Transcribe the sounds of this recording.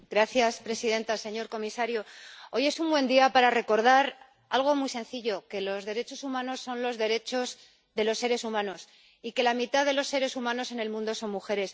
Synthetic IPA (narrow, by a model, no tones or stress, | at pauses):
ɡɾaθjaspɾe̞siðe̞nt̪ase̞ɲo̞ɾko̞misaɾjoo̞je̞sumbwẽ̞nd̪iapaɾare̞ko̞ɾð̞aɾ | alɣ̞o̞mujse̞nθiʎo̞ke̞lo̞zðe̞ɾe̞t͡ʃo̞sumãno̞sːo̞nlo̞zðe̞ɾe̞t͡ʃo̞z | ðe̞lo̞sːe̞ɾe̞sumãno̞s | ike̞lamit̪aðe̞lo̞sːe̞ɾe̞sumãno̞se̞ne̞lmũnd̪o̞so̞nmuxe̞ɾe̞s